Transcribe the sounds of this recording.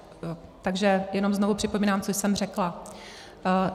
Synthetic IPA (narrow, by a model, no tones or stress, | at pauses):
t̪aɡʒɛjɛno̞mznovupr̝ɪpomiːnaːmt͡sojsɛmr̝ɛkla